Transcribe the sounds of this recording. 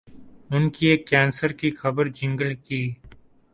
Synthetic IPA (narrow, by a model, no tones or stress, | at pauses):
ʊnkieːkːɛːnsəɾkixɐbəɾd͡ʒɪ̃ŋɡəlkiː